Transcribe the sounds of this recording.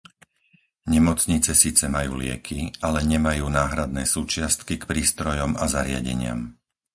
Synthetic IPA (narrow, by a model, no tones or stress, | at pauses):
ɲɛmɔt͡sɲit͡sɛsiːt͡sɛmajuːlɪɛ̰kʰialɛɲɛmajuːnaːɦɾad̪nɛːsuːt͡ʃɪast̪kikpɾiːst̪ɾɔjɔmazaɾɪa̰ɟɛ̰ɲɪa̰m